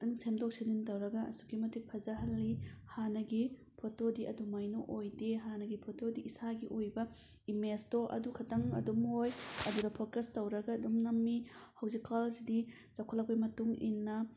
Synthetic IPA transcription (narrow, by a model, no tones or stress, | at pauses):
tiŋsemdok̚seniŋtɐwɾɐɡɐɐ̰su̥ɡimɐtipʰɐzɐɦɐlːihanɐɡi | pʰotodiʔɐdumajnoʔojdeɦanɐɡipʰotʰodiisaɡiʔojbɐ | imestoʔɐ̰dukʰɐtɐŋɐ̰dumhojɐdudɐpʰokɾestɐwɾɐɡɐːdumnɐmːihɐwzikalsidi | zɐkʰɐlːɐk̚pɐjmɐtuŋḭnːɐ